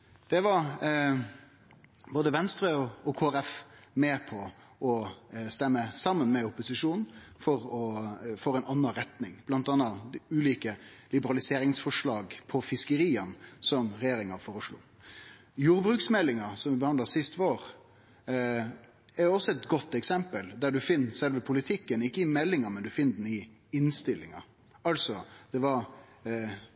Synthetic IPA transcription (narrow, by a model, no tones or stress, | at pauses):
d̪̥ɛʋɑɾ | boːd̪əʋɛnst̪ɾəɔɔkʰoːæɾɛfmɛpʰɔ | ɔst̪ɛmːəsɑmːənmɛʊpʊsɪʂuːnn̩fɔɾɔfɔːɾɛɪnɑnːɑɾɛt̪nɪŋb̥lɑnt̪ɑːnɑʉːliːkəlɪbəɾɑlɪseːɾɪŋsfɔʂɭɑːɡpʰɔfɪskəɾiːənsɔmɾɛjeːɾɪŋɑfoːɾəʂlṵː | juːɾbɾʉːksmɛlːɪŋɑsɔmʋɪbəhɑnd̪lɑsɪst̪ʋoːɾ | ɛɾɔsːɔɛt̪ɡɔt̪ːɛksɛmpəld̪æɖʉfɪnːsɛlʋəpʰʊlɪt̪ʰɪkːənɪkːəɪmɛlːɪŋɑmɛnd̪ʉfɪnːəd̪ɛn̩ɪ | ɪnst̪ɪlːɪ̰ŋɑ̰ | ɑlsɔd̪̥ɛʋɑɾ